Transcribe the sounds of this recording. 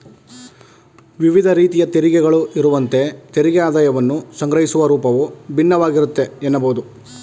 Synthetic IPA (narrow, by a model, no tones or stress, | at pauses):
ʋiʋid̪ʱɐɾiːt̪ijɐt̪eɾiɡɛɡɐɭuʔiɾuʋɐnt̪e̞t̪eɾiɡɛaːd̪aːjɐʋɐnːusɐŋɡɾɐɦisuʋɐɾuːpɐʋubʱinːɐʋaːɡiɾut̪ːe̞enːɐbɐɦud̪u